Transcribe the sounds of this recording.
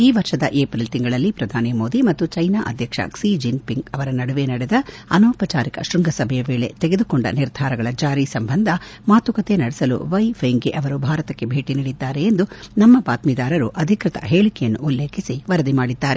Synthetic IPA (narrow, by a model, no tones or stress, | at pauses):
iːʋɐɾʂɐd̪ɐʔeːpɾilt̪iŋɡɐɭɐlːipɾɐd̪ʱaːnimo̞ːd̪imɐt̪ːut͡ʃɐjnaːʔɐ̰d̪ʱjɐkʂɐ̰ksid͡ʒinpiŋɡɐʋɐɾɐnɐɽuʋe̞nɐɽɛd̪ɐɐnoːpɐt͡ʃaːɾikɐ̰ʃɾuŋɡʱɐsɐbʱɛjɐʋe̞ːɭe̞̰t̪eɡe̞d̪ukoɳɖɐ̰niɾd̪ʱaːɾɐɡɐɭɐd͡ʒaːɾisɐmbɐnd̪ʱɐmaːt̪ukɐt̪e̞nɐɽɛsɐlṵʋɐjʋɐŋɡeʔɐʋɐɾubʱaːɾɐt̪ɐkːe̞bʱe̞ːʈiniːɽid̪ːaːɾeːnd̪unɐmːɐpaːt̪mid̪aːɾɐɾuʔɐd̪ʱikɾit̪ɐ̰ɦe̞ːɭikɛjɐnːuːlːe̞ːkʰisiʋɐɾɐd̪imaːɽid̪ːaːɾe